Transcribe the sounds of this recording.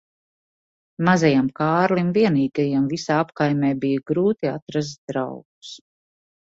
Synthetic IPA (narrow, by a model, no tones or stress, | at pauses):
mazajamkaːɾlimviɛniːɡajamvisaːapkajmɛːbijɡɾuːt̪iat̪ɾazd̪ɾa̰wɡu̥s